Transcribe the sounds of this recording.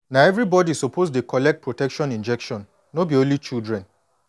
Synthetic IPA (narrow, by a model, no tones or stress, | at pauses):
naɛvɾibɔdisopʰosdekɔlɛk̚t̚pɹotɛkʃɔ̃nĩnd͡ʒɛkʃɔ̃n | nobiõnlit͡ʃildɹɛ̃n